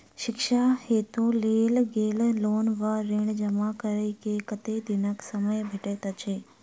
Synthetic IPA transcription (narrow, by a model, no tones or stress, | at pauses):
ʃɪkʃaheːt̪oleːlɡeːlloːnʋaɾeɽ̃d͡ʒəmakəɾəikekət̪ed̪ɪnəksəməjbʱeʈet̪ət͡ʃʰeː